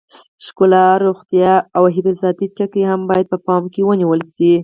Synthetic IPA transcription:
ʃkʊlɑɾoxt̪jɑawɦɪfizɑt̪it͡ʃəkehambɑjad̪̚pəpɑmkewəniwəlʃi

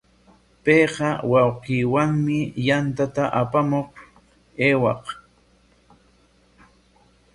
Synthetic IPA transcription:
pejqɑwɑwqiːwaŋmɪjant̪at̪aʔapamoq | eːwɑq

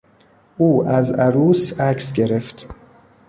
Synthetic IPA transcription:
ʔuːæzæɾuːsæcʰsɟe̞ɾeft̪

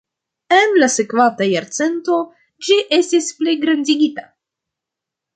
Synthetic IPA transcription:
enlasekvantajaɾt͡se̞nto̞ | d͡ʒiʔestispleɡɾandiɡita

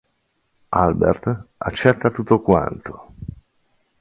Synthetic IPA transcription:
albḛrt̪a̰t͡ʃːɛt̪ːat̪ut̪ːokwa̰nt̪o̥

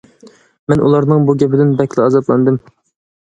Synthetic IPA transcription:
mɛnʔṵlˠɑɾnɨŋbuɡʲɛpʰɪd̪ɪnbɛkʲlɪɑzɑt̪lˠɑ̰nd̪ɨm

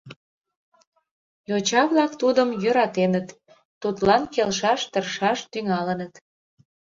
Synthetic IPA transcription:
jot͡ɕɑβlɑkt̪ud̪əmjøɾɑt̪enət̪ː | ut̪lɑnkelʃ̬ɑʃt̪ərʃɑʃt̪yŋɑlənət̪

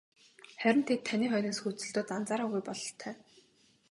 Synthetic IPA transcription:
χæɾʲɪ̆nt̪ʰet̪ʰːaniːχɔjniːsxut͡sɘ̆ɮt̪oːt̪ant͡saːɾaːɣujpɔɮɞ̆ɬt̪ʰæː

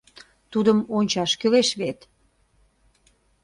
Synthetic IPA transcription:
t̪ud̪əmonʲt͡ɕɑʃkøleʃβet̪

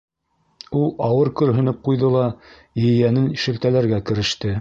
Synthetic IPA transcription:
ulˠɑwɤɾkɵ̆ɾɦɵ̆nɘp̚qujðɤlˠɑ | jɘ̆jænɘniʃɘ̆lt̪ælæɾɡækɘ̆ɾɘ̆ʃt̪ɘ

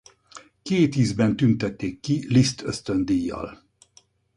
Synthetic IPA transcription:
keːt̪iːzbɛnt̪ynt̪ɛt̪ːeːkːilist̪ʰøst̪ønd̪ijːɒ̰l

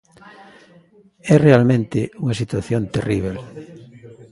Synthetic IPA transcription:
ɛrealmẽnt̪ɪuŋɐsit̪waθjõnt̪eriβ̞el

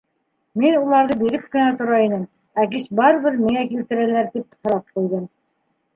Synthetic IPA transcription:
minulˠɑɾðɤbiɾɘp̚kɘ̆næt̪ŏɾɑinɘm | æk̬iʃbɑɾɤ̆βɘɾmiŋækilt̪ɘ̆ɾælæɾt̪ip̚hŏɾɑp̚qujðɤm

